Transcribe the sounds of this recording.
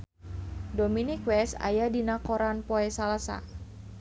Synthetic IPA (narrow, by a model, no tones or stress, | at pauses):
dominikwɛsa̰jadinakoɾanpoɛsalasa̰